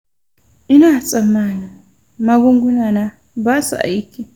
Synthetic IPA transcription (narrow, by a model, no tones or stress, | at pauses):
ʔɪnaːt͡sʼɐmːana | mɐɡʊŋɡʊnaːna | basa̰ʔɐ̰jɪkːɛ